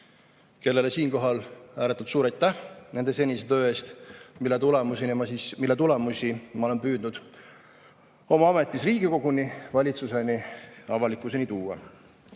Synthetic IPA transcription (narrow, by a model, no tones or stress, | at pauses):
ke̞lːe̞le̞siːnko̞ɦɑlæːɾet̪ːˑult̪suːɾɑjt̪ːˑæhne̞nd̪e̞se̞nʲiset̪ø̞ːeːst̪milːet̪ulemusenimɑsismilːet̪ule̞musimɑo̞le̞npyːd̪̥nud̪̥ | o̞mɑɑme̞t̪ːˑisriːɡiko̞ɡ̥univɑlʲit̪suse̞niɑvɑlikːˑuse̞nit̪uːɑ̰